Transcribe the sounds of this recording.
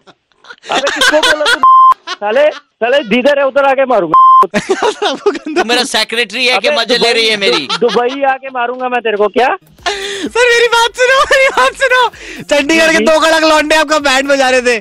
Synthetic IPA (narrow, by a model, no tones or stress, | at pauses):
ɐ̰bekɪskoboːlat̪ut͡ʃɐlet͡ʃɐled̪iːd̪əɾɦɛʊt̪ːəɾaːkemaːɾũːŋɡasɐɾɐbokɐnd̪meːɾaseːkɾeʈɾiɦɛkemɐd͡ʒleɾɐɦiɦɛmeːɾiːd̪ʊbəiaːkemaːɾũːŋɡamɛ̃t̪eːɾekokjaː | sɐɾmeːɾibaːt̪sʊnomeːɾibaːt̪sʊnoːt͡ʃɐ̃ɳɖikɐɽked̪oːkɐləklɔ̃ːɳɖẽaːp̚kabɛ̃ːɳɖbɐ̃d͡ʒaːɾet̪ʰeː